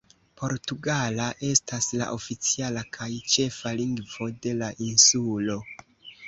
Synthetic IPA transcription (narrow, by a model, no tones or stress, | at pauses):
po̞ɾtuɡalaʔe̞stasla̰ʔo̞fit͡sialakʰajt͡ʃe̞faliŋɡvo̞de̞laʔinsulo̞